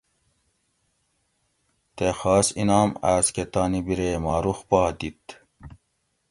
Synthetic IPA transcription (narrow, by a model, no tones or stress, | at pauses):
t̪exɑːsinɑːmasket̪ɑːnibiɾeːmɑːɾuxpɑːd̪it̪